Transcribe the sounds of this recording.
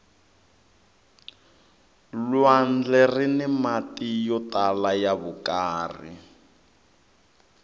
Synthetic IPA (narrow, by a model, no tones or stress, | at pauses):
lwand͡ɮɛrinɛmatijɔtalajaβukaːrḭ